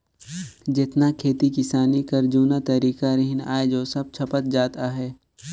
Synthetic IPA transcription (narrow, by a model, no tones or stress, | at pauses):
d͡ʒɪt̪nakʰeːt̪ikɪsaːnikɐɾd͡ʒuːnat̪ɐɾiːkaɾɪɦɪna̰ːed͡ʒoːsɐb̚t͡ʃʰɐpət̪̚d͡ʒaːt̪aɦɛː